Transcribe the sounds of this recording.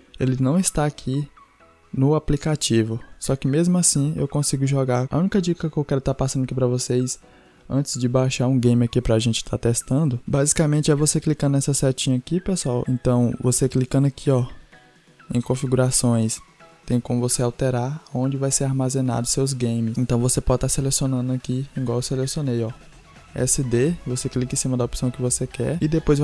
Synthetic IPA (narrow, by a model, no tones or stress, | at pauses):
elɪnɐ̃w̃ɪst̪aːkʰi | nʊaplikat͡ʃivʊsɔkɪmezmʊasĩḛwkõsiɡʊʒɔɡaa̰ũnikɐd͡ʒikɐkɪewkɛɾʊt̪aɾpasɐ̃nd̪ɐakipɾɐvosejs | ɐ̃t͡ʃ̪ɪ̥zd͡ʒɪbaʃaɾũɡẽj̃mɪakipɾɐaʒẽnt͡ʃɪ̥t̪ʰaɾt̪ɛst̪ɐ̃nd̪ʊbazikamẽnt͡ʃɪɛvoseklikɐ̃nnɛsɐsɛt͡ʃĩɲɐakipesʊawḛ̃nt̪ɐ̃w̃voseklikɐ̃nd̪ʊakʰiɔ | ḛ̃j̃kõfiɡuɾasõj̃st̪ẽj̃kõmʊvoseawt̪eɾaɾõd͡ʒɪvajseɾaɾmazẽna̰d̪ʊsewzɡẽjmɪsẽnt̪ɐ̃w̃vosepɔd͡ʒɪt̪aɾselesionɐ̃d̪ʊakiĩɡwaweselesiõnejɔ | ɛ̰sɪd̪evoseklikĩsĩmɐd̪ɐopsɐ̃w̃kɪvosekɛ̰ɾɪd̪epojz